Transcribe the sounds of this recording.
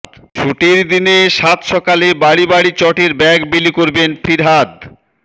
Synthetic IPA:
t͡ɕʰuʈiɾd̪ineʃat̪ʃɔkalebaɽibaɽit͡ɕɔʈeɾbɛɡbilikoɾbenfʰiɾɦad̪

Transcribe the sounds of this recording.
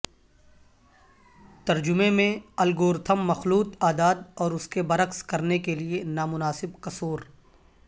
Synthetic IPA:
t̪ɐɾd͡ʒʊmẽmẽɐlɡoːɾt̪ʰəmːɐxluːt̪aːd̪aːd̪ɔːɾʊskebɐɾəkskɐɾnekelienaːmʊnaːsɪbqɐsoːɾ

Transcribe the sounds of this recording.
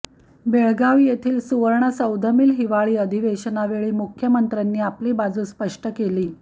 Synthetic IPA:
beɭɡaʋjet̪ʰiːlsuʋəɾɳəsəwd̪ʱəmiːlɦiʋaɭiːəd̪ʱiʋeɕənaʋeɭiːmukʰjəmənt̪ɾanːiːapliːbad͡zuːspəʂʈəkeliː

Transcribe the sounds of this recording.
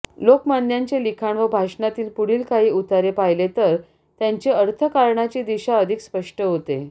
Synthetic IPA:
lokmand̪jaɲt͡ɕelikʰaɳʋəbʱaʂɳat̪iːlpuɽ̤iːlkaɦiːut̪aɾepajlet̪əɾ | t̪jaɲt͡ɕeəɾt̪ʰəkaɾɳat͡ɕiːd̪iɕaəd̪ʱikspəʂʈəɦot̪e

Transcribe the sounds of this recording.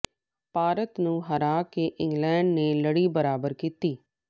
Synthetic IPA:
paːɾət̪nũːɦəɾaːkeʔɪ̃ŋɡlɛ̃ːɳɖneːləɽiːbəɾaːbəɾkiːt̪iː

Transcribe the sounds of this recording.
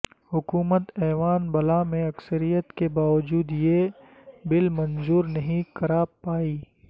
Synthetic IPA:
hʊkuːmət̪ɛːʋaːnbɐlamẽɐksəɾijət̪kebaːʋəd͡ʒuːd̪je | bɪlmɐ̃nzuːɾnɐɦĩkɐɾaːpaːiː

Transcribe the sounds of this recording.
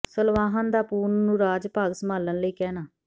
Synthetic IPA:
səlʋaːɦənd̪aːpuːnːũːɾaːd͡ʒpaːɡsəmaːlənləiːkɛːnaː

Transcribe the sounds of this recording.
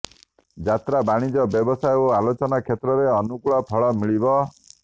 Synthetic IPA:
d͡ʒat̪ɾabaɽ̃id͡ʒɔbjɔbɔsajoalot͡ʃɔnakʰjet̪ɾɔɾeɔnukuɭɔpʰɔɭɔmiɭibɔ

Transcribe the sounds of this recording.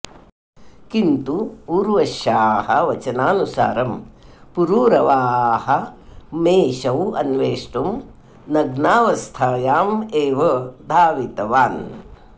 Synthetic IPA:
kint̪uuːɾʋɐʃjaːhɐʋɐt͡ʃɐnaːnusa̰ːɾɐmpuɾuːɾɐʋaːhɐmeːʃɐwɐ̰nʋeːʂʈum | nɐɡnaːʋɐst̪ʰaːjaːmeːʋɐd̪ʱaːʋit̪ɐʋaːn

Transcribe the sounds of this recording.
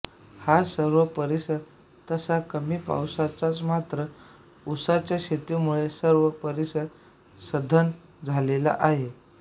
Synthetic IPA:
hasəɾʋəpəɾisəɾ | t̪əsakəmiːpa̰wsat͡sat͡smat̪ɾə | usat͡ɕjaɕet̪imuɭesəɾʋəpəɾisəɾ | səd̪ʱən | d͡zʱalela̰ʔaɦe

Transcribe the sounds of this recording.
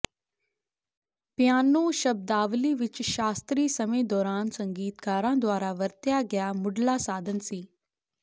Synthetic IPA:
pjaːnõːʃəb̚d̪aːʋliːʋɪt͡ʃʃaːst̪ɾiːsəmẽːd̪ɔːɾaːnsəŋɡiːt̪kaːɾãːd̪ʊwaːɾaːʋəɾt̪jaːɡɪjaːmʊɖlaːsaːd̪ʱənsiː

